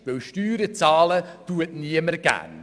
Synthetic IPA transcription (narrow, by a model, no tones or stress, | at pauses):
ʋewʃtyːɾət͡sɑːlətuətniəməɾɡ̥æ̰n